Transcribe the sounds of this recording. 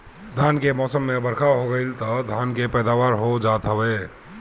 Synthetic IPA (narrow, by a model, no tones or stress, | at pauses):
d̪ʱankemɔsəmːebəɾkʰaɦoɡəɪlt̪ɔd̪ʱankepɛjd̪aʋaɾɦod͡ʒat̪ɦəbɛ